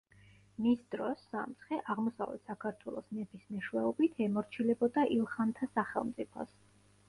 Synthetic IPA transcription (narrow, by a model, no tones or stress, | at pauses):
misd̪ɾɔsːa̰mt̪sχɛʔaʁmɔsa̰vlɛ̰t̪ʰsakʰaɾt̪ʰwɛlˠɔsmɛbismɛʃwɛɔbit̪ʰɛmɔɾt͡ʃʰilɛbɔd̪aʔilˠχant̪ʰasaχɛ̰lˠmt̪sʼipʰɔ̰s